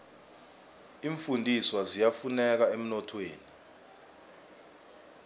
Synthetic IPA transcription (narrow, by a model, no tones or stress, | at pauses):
iːɱfundʱiswazijafunɛk̬aem̩nɔtʰweːni